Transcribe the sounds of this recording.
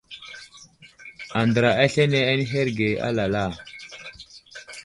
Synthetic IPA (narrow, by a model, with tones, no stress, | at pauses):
a˨ndə˨ɾa˨a˦ɬe˦ne˦a˦ni˦ɦe˦ɾɡe˨a̰˦la˨la˦˨